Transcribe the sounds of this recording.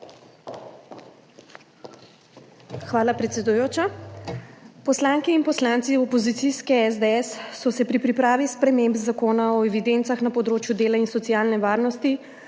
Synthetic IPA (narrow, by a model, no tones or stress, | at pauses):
xʋaːlapɾɛt̪sʲɛd̪ujoːt͡ʃa | pɔslaːŋkɛinpɔslaːnt̪siɔpɔzit̪siskɛɛzd̪eɛsːɔsɛpɾipɾipɾaːʋispɾɛmembzakoːnaɔɛʋid̪ent̪saxnapɔd̪ɾoːt͡ʃjud̪eːlainsɔt̪siaːlnɛʋaːɾnɔst̪i